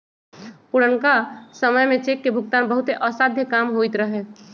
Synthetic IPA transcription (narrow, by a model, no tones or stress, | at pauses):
puɽənkasəməjmẽt͡ʃekːebʱʊɡ̚t̪aːnbəɦʊt̪eʔəsad̪ʱjəkaːmɦoit̪ɾəɦe